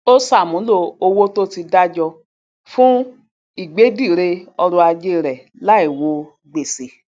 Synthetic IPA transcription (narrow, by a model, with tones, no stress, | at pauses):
o˦sa˦˨mũ˨˦lo˧o˧wo˦to˦ti˧da˦d͡ʒɔ˧ | fũ˦ | i˦˨ɡ͡be˨˦di˦˨ɾe˧ɔ˧ɾũ˧a˧d͡ʒe˦˨ɾɛ˨ | la˦i˦˨wo˧ | ɡ͡be˦˨se˨˦